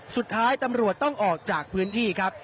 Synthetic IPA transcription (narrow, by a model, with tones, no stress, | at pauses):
su˨˩t̪ʰːaː˦˥jt̪a˧mɾu˨˩ət̪ːɔ˥˩ŋʔɔː˨˩k̚t͡ɕaː˨˩k̚pʰɯː˦˥nt̪ʰiː˥˩kʰɾa˦˥p̚